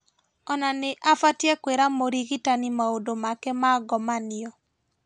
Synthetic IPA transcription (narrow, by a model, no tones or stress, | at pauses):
ɔnanɪʔafatjɛkweɾamoɾiɣitanimaodomakɛmaɡɔmanɪɔ